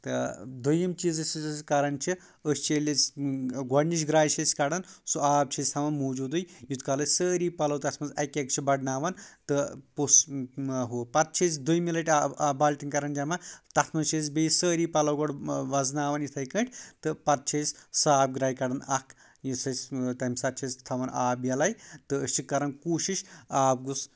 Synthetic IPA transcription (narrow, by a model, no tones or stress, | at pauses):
t̪ɨd̪ujimt͡ʃiːzɐsskɐɾɐnt͡ʃʰi | əst͡ʃʰelʲit͡sɡɔɽniʃ̬ɡɾaːjt͡ʃʰɐskɐɽɐnsuaːb̚t͡ʃʰɐsʲt̪ʰɐmɐmuːd͡ʒuːd̪ɨjjut̪kalɐsəːɾiːpɐlɐwt̪ɐt̪ʰmɐzɐkʲek̚t͡ʃʰibɐɖnaːʋɐnt̪ɨpusɦoːpɐt̪̚t͡ʃʰɐs̬ʲd̪ujmilɐʈʲbaːlʲʈʲiŋkɐɾɐnd͡ʒɐmɐt̪ɐt̪ʰmɐt͡ʃʰiːs̬bejsəːɾiːpɐlɐwɡoɖʋɐznaːʋɐnjit̪ʰɐjkə̃ʈʰʲt̪ɨpɐt̪̚t͡ʃʰɐsʲsaːp̚ɡɾaːjkɐɽɐnɐkʰ | jisɐsʲt̪ɐmsɐt̪̚t͡ʃʰisʲt̪ʰɐʋɐnaːbjɐlɐjt̪ɨːst͡ʃʰikːɐɾɐnkuːʃiʃaːb̚ɡus